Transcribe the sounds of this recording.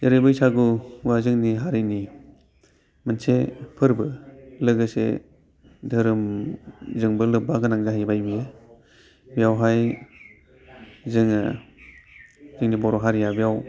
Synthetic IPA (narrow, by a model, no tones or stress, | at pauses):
jaɾɯbɯjsaɡuwazɯŋniɦaɾini | mənsepʰɯɾbɯlɯɡɯsḛ | dʱɯɾɯm | zɯŋbɯlɯbaɡɯnaŋzaɦajbajbije | bijawɦaj | zɯŋa̰ | zɯŋnibɔɾɔɦaɾijabijaw